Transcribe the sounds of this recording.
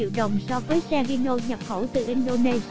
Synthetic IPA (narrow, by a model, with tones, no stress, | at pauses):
ḭ˧˨wɗə˨˩wŋ͡msɔ˧vəː˨˦jsaː˧ŋʔi˧nɗo˧ɲə˨˩p̚xə˧˩wt̪ɨ̰˨˩ʔi˧ŋ̟ɗo˧ne˧